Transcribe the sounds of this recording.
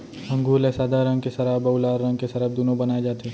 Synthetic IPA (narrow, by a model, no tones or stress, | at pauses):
ɦɐ̃ŋɡuːlesaːd̪ʱaɾə̃ŋɡkesɐɾabɐwlaːɾːɐ̃ŋɡ̚kesɐɾəb̚d̪oːnõbɐnaːed͡ʒaːt̪eː